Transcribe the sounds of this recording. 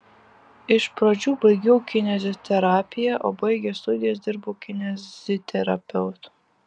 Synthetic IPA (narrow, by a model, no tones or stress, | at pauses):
ɪʃpɾɐd͡ʒʲuːbɐɪɡʲɛʊkʲɪnʲɛzʲɔt̪ʲɛɾɑːpʲɪjɛʔo̰ːbɐɪɡʲɛst̪ʊd̪ʲɪjoːsd̪ʲɪɾbokʲɪnʲɛzʲɔt̪ʲɛɾɐ̰pʲɛʊt̪u